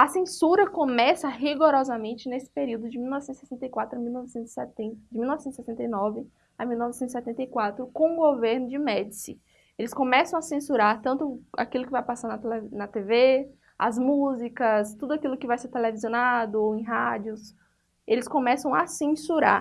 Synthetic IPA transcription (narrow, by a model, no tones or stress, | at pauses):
ɐsẽsuɾɐkõmɛsɐɦiɡoɾɔzɐmẽnt͡ʃɪnesɪ̥peɾiwd̪ʊd͡ʒɪmiuwnɔvsẽnsɛsẽnt̪ɐjkwat̪ɾʊɐmiwnɔvɪsẽt̪z̥sɛt̪ẽd͡ʒɪmiuwnɔvsẽt̪ʊsɛsẽnt̪ɐjnɔvɪ | amiwnɔvɪsẽt̪zisɛt̪ẽnt̪ɐjkwat̪ɾʊkõũɡoveɾnʊd͡ʒɪmɛd͡ʒsɪ | elɪskõmɛsɐ̃w̃ɐsẽsuɾaɾt̪ɐ̃nt̪ʊa̰kilʊkɪvajpasaɾnɐt̪lenɐt̪eve | ɐ̰zmuzikɐst̪ud̪ʊakilʊkɪvajseɾt̪eleviziõnad̪ʊoẽj̃ɦad͡ʒjʊs | elɪskõmɛsɐ̃w̃asẽsuɾa̰ɾ